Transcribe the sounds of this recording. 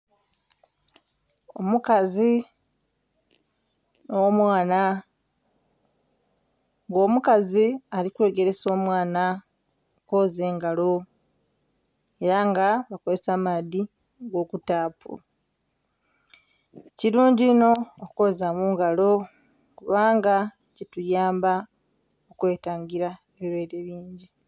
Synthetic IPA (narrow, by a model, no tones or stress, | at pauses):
o̞mukazi | nomwaːna | ŋɡo̞ːmukazialikwe̞ːɡe̞ɾe̞so̞ːmwaːna | ko̞ːze̞ːŋɡalo̞ | e̞ɾaŋɡaβakoze̞saːmadi | ɡo̞ːkutaːpṵ | ciɾuːɲɟiino̞ːko̞ːzamuːŋɡalo̞ | kuβaːŋɡa | cetujaːmba | okwe̞ːtaːɲɡiɾa | eβiɾwe̞ːɾeβiːɲɟi